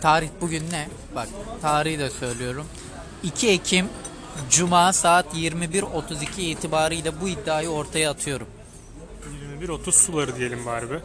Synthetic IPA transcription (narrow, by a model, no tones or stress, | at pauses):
t̪ʰaːɾiçbuɟynːɛ | bak̚t̪ʰaːɾihd̪ɛsø̞jlʲijo̞ɾum | icʰiecʰim | d͡ʒumaːsaːt̪jiɾmibiɾo̞t̪ʰuzicʰiːt̪ʰibaːɾɯjlʲˠabuid̪ːaːjɯo̞ɾt̪ʰajaːt̪ʰɯjo̞ɾum | jiɾmibiɾo̞t̪ʰuzsulˠaɾɯd̪ije̞lʲimvaːɾbɪ